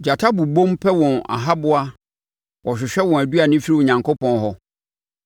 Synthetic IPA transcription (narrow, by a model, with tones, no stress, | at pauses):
d͡ʑa˨tʰa˦bu˨bõ˦mpʰɛ˦wɔ̃˨na̰˨ɦa˦bʊ˦a˦ | ʔɔ˨ɕᶣɪ˨ɕᶣɛ˦wɔ̃˨æ˨du˦a˨nɪ̃˦fi˦ɾi˦ʊ˨ɲã˨ŋko˦pʰɔ̃˦nɦɔ˦